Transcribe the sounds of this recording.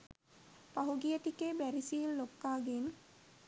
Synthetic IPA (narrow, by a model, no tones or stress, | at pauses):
paɦuɡijəʈ̪ikebæɾisiːllokːaːɡen